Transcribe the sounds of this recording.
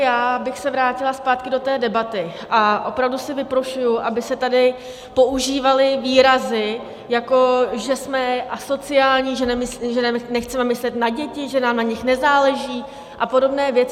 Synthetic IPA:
jaːbɪxsɛvɾaːcɪlaspaːt̪kɪdo̞t̪ɛːdɛbat̪ɪ | ʔaʔo̞pɾavdusɪvɪpɾoʃujʊʔabɪsɛt̪adɪ | po̞ʔuʒiːvalɪviːɾazɪ | jako̞ʒɛsmɛʔaso̞t͡sɪaːlɲiːʒɛnɛmɪsʒɛnɛnɛxt͡sɛmɛmɪslɛt̪naɟɛcɪʒɛnaːmnaɲɪxnɛzaːlɛʒiː | ʔapo̞do̞bnɛːvjɛt͡s

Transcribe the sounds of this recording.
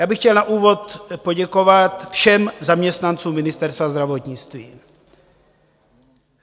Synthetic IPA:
jaːbɪxcɛlnaʔuːvo̞t̪po̞ɟɛko̞vat̪fʃɛmzamɲɛst̪nant͡suːmɪnɪst̪ɛɾst̪vazd̪ɾavot̪ɲɪt͡st̪vḭː

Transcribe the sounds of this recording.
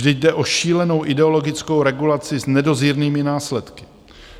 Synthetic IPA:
dɪɟ̚dɛʔo̞ʃiːlɛno̞wʔɪdɛo̞lo̞ɡɪt͡sko̞wɾɛɡulat͡sɪznɛdo̞ziːɾniːmɪnaːslɛt̪kɪ̥

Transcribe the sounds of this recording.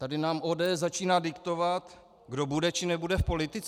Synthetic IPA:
t̪adɪnaːmʔoːdɛɛszat͡ʃiːnaːdɪkt̪o̞vat̪ | ɡdo̞budɛt͡ʃɪnɛbudɛfpo̞lɪt̪ɪt͡s

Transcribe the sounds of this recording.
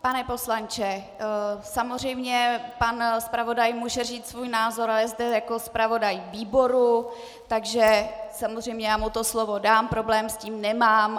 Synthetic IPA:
panɛpo̞slant͡ʃɛ | samozr̝ɛjmɲɛpanspɾavo̞dajmuːʒɛr̝iːt̪svuːjnaːzo̞ɾalɛzdɛjako̞spɾavo̞dajviːbo̞ɾu | t̪aɡʒɛsamozr̝ɛjmɲɛjaːmut̪o̞slo̞vo̞daːmpɾo̞blɛːmsciːmnɛmaːm

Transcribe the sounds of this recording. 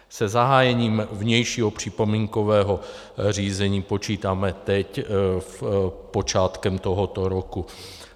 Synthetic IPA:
sɛzaɦaːjɛɲiːmvɲɛjʃiːɦopr̝̥ipo̞miːŋkovɛːɦo | riːzɛɲiːpot͡ʃiːt̪aːmɛt̪ɛc | po̞t͡ʃaːt̪kɛmt̪oɦot̪oɾoku

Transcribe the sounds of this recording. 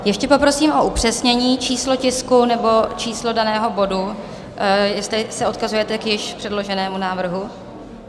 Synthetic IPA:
jɛʃcɛpo̞pɾo̞siːmʔo̞ʔupr̝̥ɛsɲɛɲiːt͡ʃiːslo̞cɪskunɛbo̞t͡ʃiːslo̞danɛːɦo̞bo̞du | jɛst̪lɪsɛo̞t̪kazujɛt̪ɛkjɪʃpr̥ɛdlo̞ʒɛnɛːmunaːvr̩ɦu

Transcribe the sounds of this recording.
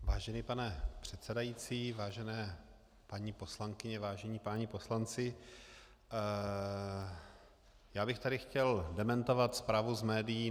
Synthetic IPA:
vaːʒɛnipanɛpr̥ɛt̪sɛdajiːt͡siːvaːʒɛnɛː | paɲipo̞slaŋkɪɲɛvaːʒɛɲiːpaɲipo̞slant͡sɪ | jaːbɪxt̪aɾɪxcɛldɛmɛnt̪o̞vat̪spɾaːvuzmɛːdɪjiː

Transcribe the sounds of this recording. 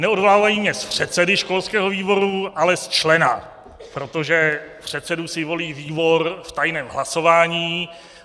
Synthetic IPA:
nɛodvolaːvajimɲɛspr̝̥ɛt̪sɛdɪʃko̞lskɛːɦo̞viːbo̞ɾualɛst͡ʃlɛna̰ | pɾot̪o̞ʒɛpr̝̥ɛt̪sɛdusɪvo̞liːviːbo̞ɾft̪ajnɛːmɦlaso̞vaːɲiː

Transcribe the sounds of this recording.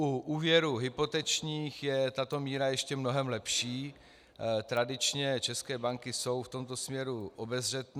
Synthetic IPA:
uʔuːvjɛɾuɦɪpo̞t̪ɛt͡ʃɲiːxjɛt̪at̪o̞miːɾajɛʃcɛmno̞ɦɛmlɛpʃiː | t̪ɾadɪt͡ʃɲɛt͡ʃɛskɛːbaŋkɪso̞wft̪o̞mt̪o̞smɲɛɾuʔobɛzr̝ɛt̪n

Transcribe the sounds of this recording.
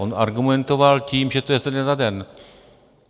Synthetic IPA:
onaɾɡumɛnt̪ovalciːmʒɛt̪ojɛsɛnɛt̪adɛn

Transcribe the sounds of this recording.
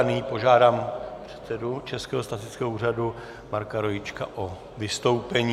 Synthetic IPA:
nipo̞ʒaːdaːmpr̝̥ɛ̥t̪sɛdut͡ʃɛskɛːɦost̪azɪt͡skɛːɦouːradu | maɾkaɾo̞jɪt͡ʃkaʔo | vɪst̪o̞wpɛɲiː

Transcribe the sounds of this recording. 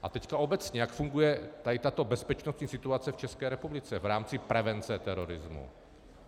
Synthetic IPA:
ʔat̪ɛckao̞bɛt͡sɲɛjakfuŋɡujɛt̪aɪt̪at̪o̞bɛspɛt͡ʃnost̪ɲiːsɪt̪uat͡sɛft͡ʃɛskɛːɾɛpublɪt͡sɛvɾaːmt͡sɪpɾɛvɛnt͡sɛt̪ɛɾoɾɪzmṵ

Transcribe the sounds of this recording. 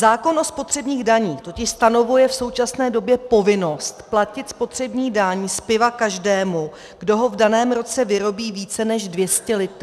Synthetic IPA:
zaːko̞nʔo̞spo̞t̪r̝̥ɛbɲiːɣdaɲiːxt̪o̞cɪʃst̪ano̞vujɛfso̞wt͡ʃasnɛːdo̞bjɛpo̞vɪno̞st̪placɪt̪spo̞t̪r̝̥ɛbɲiːdaɲspɪvakaʒdɛːmu | ɡ̥do̞ɦo̞vdanɛːmɾo̞t͡sɛvɪɾo̞biːviːt͡sɛnɛʒdvjɛscɛlɪt̪

